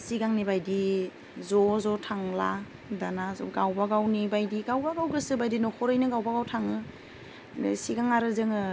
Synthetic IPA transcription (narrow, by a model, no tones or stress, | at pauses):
siɡaŋnibajdi | zɔzɔtʰaŋla | danaɡawbaɡawnibajdiɡawbaɡawɡɯsɯbajdinɔkʰɔɾɯjnɯɡawbaɡawtʰaŋɯ | siɡaŋaɾɯzɯŋɯ